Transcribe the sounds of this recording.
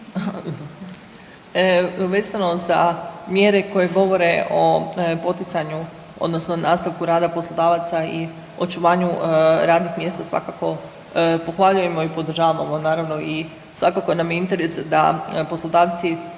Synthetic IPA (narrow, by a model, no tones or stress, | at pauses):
a | ʋe̞ːzano̞za̰mjeɾe̞ko̞je̞ɡo̞ʋo̞ɾe̞ʔopo̞t̪it̪saɲu | o̰d̪nosno̞naːst̪aʋkuɾaːd̪apo̞slˠod̪aːʋat̪sai | o̞̰t͡ʃuʋaːɲuɾaːd̪nixmje̞ːst̪asʋa̰kako̞ | po̞xʋaʎuje̞mo̞ipo̞d̪r̩ʒaːʋamo̞naːɾaʋno̞i | sʋakako̞jenamjeint̪e̞ɾesd̪a̰po̞slˠod̪aːʋt̪si